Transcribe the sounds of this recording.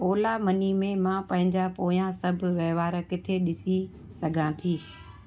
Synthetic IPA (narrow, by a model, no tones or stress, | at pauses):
oːlamɐnimẽmãːpɐ̃ɦɪ̃ɲd͡ʑapoːjãsɐbʱʋɛːʋaːɾəkɪt̪ʰeɗɪsi | sɐɡʱãːt̪ʰiː